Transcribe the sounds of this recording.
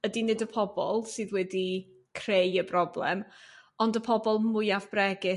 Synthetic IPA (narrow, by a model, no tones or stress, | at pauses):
ədinɨdəpʰɔbɔ̰lˠsɨːðwɛdi | kʰrejəbrɔblɛ̰mɔndəpʰɔbɔlˠmʊjavb̥rɛɡɪ